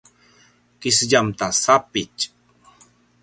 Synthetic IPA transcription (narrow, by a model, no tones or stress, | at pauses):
kɪsʎamt̪asapɪt͡ʃ